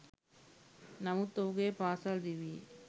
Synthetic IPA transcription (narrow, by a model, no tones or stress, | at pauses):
nɐmut̪ːowɡeːpaːsaːld̪iʋi